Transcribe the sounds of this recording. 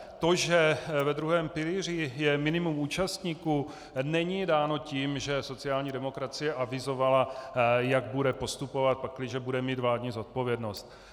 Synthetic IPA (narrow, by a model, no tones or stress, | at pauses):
t̪o̞ʒɛvɛd̪ɾuɦɛːmpɪliːr̝ɪjɛmɪnɪmumuːt͡ʃast̪ɲiːku | nɛɲidaːno̞ciːmʒɛso̞t͡sɪaːlɲidɛmo̞kɾat͡sɪjɛʔavɪzo̞valajaɡ̚budɛpo̞st̪upo̞vat̪̚pakːlɪʒɛbudɛmiːt̪vlaːdɲizot̪̚po̞vjɛdno̞st̪̚